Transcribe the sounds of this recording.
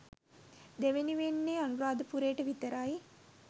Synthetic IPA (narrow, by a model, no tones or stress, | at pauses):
d̪eʋeniʋenːeːanuɾaːd̪əpuɾeːʈəʋit̪əɾaji